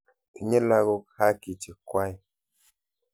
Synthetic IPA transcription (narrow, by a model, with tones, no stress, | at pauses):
i˨ɲe˦la˧ɣo˧kha˦ki˨t͡ʃi˨kwa˦j